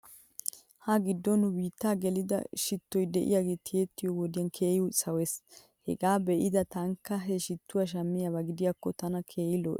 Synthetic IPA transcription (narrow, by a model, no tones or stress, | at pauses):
hɐɡɪd̪ːɔnʊwiːt̪ːaːɡɛlɪd̪ɐ̰ʃɪt̪ːɔjd̪ɛʔɪ̰jaɡe̞ːt̪ʰɪjet̪ːɪjɔwɔd̪ɪjɐnkʰeːjʊsɐwɛs | hɛ̰ɡaːbɛʔɪd̪ɐt̪ɐŋkːɐɦɛʃɪt̪ːʊwaʃ̬ɐmːɪjabɐɡɪd̪ɪjakːɔt̪ɐnɐkʰeːjɪlɔ̰ʔ